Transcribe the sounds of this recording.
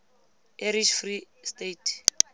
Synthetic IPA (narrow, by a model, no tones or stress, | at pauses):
eɾiʃfristetʰ